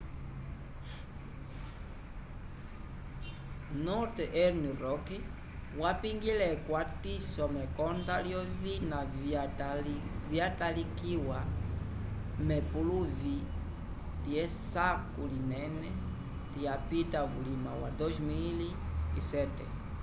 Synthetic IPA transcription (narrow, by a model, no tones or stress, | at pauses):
nɔɾt̪ʔɛɾniɾɔkɛ | wapiŋɡilɛkwatisɔmɛkɔnd̪aljɔvina | vjatalikiwa | mɛpuluvi | t̪iɛsakulimɛnɛ | t̪iapitaβulimawa̰d̪ɔzmil | isɛtɛ̰